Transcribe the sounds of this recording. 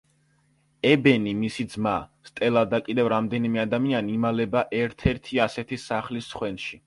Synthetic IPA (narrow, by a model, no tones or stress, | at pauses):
ɛbɛnimisid̪zmast̪ʼɛlˠad̪akʼid̪ɛvɾamd̪ɛnimɛad̪amianimalɛbaʔɛɾt̪ʰɛɾt̪ʰiasɛt̪ʰisaχlisːχwɛnʃi